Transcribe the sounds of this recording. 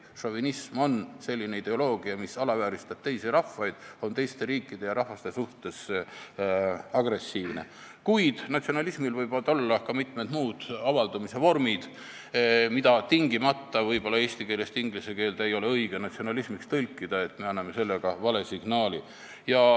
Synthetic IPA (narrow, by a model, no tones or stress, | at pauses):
ʃovinismo̞nse̞lʲːine̞id̪̥e̞o̞lo̞ːɡ̥iɑmisɑlɑvæːɾist̪ɑb̥̚t̪e̞jsiɾɑhfːɑjd̪̥o̞nt̪e̞jst̪e̞ɾiːkːˑid̪̥e̞jɑɾɑhːɑst̪e̞suht̪e̞s | ɑɡre̞sːiːvne̞̰ | kujd̪̥nɑt̪sio̞nɑlismilvɤjbɑd̪o̞lːɑkɑmit̪ˑmed̪muːd̪̥ɑvɑld̪̥ɑmise̞vo̞rmid̪̥ | mid̪ɑt̪iŋɡimɑt̪ːɑvɤjb̥o̞lːɑe̞ːst̪ikeːle̞st̪iŋɡlise̞keːld̪̥e̞jo̞le̞ɤiɡ̥enɑt̪sio̞nɑlismikst̪ɤlʲkːˑid̪̥ɑe̞t̪ːˑme̞ɑnːɑme̞se̞lːeɡ̥ɑvɑle̞siɡ̥nɑːli | jɑ